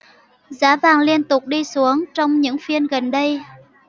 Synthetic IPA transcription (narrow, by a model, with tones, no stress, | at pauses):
zaː˨˦vaː˨˩ŋli˧ənt̪ʊ˨˩k͡p̚ɗi˧su˨˦əŋt͡ɕɔ˧wŋ͡mɲɨ̰˧˥ŋfi˧ənɣə˨˩nɗə˧j